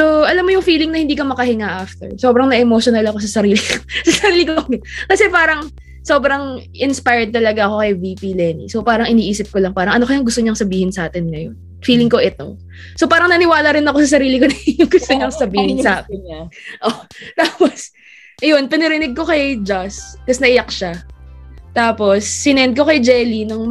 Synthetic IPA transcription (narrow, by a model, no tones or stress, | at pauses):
so̞ʔɐlamːojʊŋfiːlɪŋnɐhɪnd̪iːkɐmɐkɐhɪŋaʔaft̪ɛ̰ɹso̞ːbɾɐŋnɐʔɛmoʃonɐlɐko̞s̬ɐsɐɾiːlɪksɐsɐɾiːlɪkokɐsɛpaːɾɐŋ | so̞bɾɐŋʔɪnspajɹd̪̚t̪ɐlɐɡaʔɐko̞kɐjviːpilɛnḭsopaːɾɐŋʔɪniːʔiːsɪp̚kolɐŋpaːɾɐŋʔɐnokɐjɐŋɡʊst̪oɲɐŋsɐbiːhɪnsɐʔaːt̪ɪnŋɐjon | fiːlɪŋko̞ʔɪt̪o̞̰ | sopaːɾɐŋnɐnɪwaːlɐɾɪnɐko̞sɐs̬ɐɾiːlɪkonɐjʊŋɡʊst̪oɲɐŋsɐbiːhɪnsɐʔaːk̪ɪnʔot̪aːpos | ɐjonpɐnɛɾɪnɪɡ̚ko̞kɐjd͡ʒaskɐsnɐʔɪjɐkʃa | t̪aːpo̞sːɪnɛnd̪̚ko̞kɐjd͡ʒɛlinʊŋ